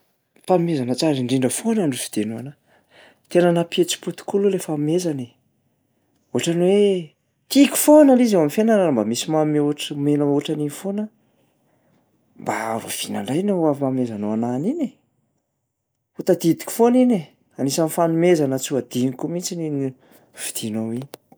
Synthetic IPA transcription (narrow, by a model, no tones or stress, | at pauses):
fanumezanət͡saɾiɳɖ͡ʐiɳɖ͡ʐəfonaɳɖ͡ʐusi̥d̪̥enuana | t̪enənapiet͡si̥put̪i̥kululefamezani | oɦaʈ͡ʂanwe | t̪ikʲi̥fonalizewamifenəɾaɾambamisimamoʈ͡ʂmenəmoʈ͡ʂaninfonə | mba̰a̰ɾṵv̥ina̰ɳɖ͡ʐajnoavamezanoananine | ut̪ad̪id̪i̥kʲi̥fonine | anisanifanumezanət͡suad̪̥inikumit͡sinini | v̥id̪̥inowini̥